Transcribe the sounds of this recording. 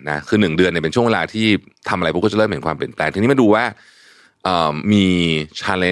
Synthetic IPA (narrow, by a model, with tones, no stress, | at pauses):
na˦˥kʰɯː˧nɯ˨˩ŋdɯ˧əni˨˩pe˧nt͡ɕu˥˩əweː˧laː˧t̪ʰiː˥˩t̪ʰa˧mʔa˧ɾjʰpu˦˥kːt͡ɕa˩˦ɤː˥˩m˩˦nkʰwaː˧mpli˨˩ənplɛː˧ŋt̪i˧ŋniː˦˥ma˧duː˧waː˥˩ | ʔəː˨˩mːiː˧t͡ɕʰaː˧le˧˦